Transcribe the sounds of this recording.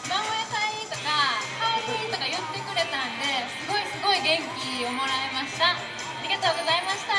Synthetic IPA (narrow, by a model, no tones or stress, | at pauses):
mãoet̪aiit̪o̞kakaoɾit̪o̞kajot̪d̪e̞kɯ̟ɾe̞t̪ãnd̪e̞sɨɡo̞isɨɡo̞iɡẽ̞ŋkʲiomoɾae̞maɕi̥t̪a | aɾʲiɡat̪o̞ːɡo̞zaimaɕi̥t̪a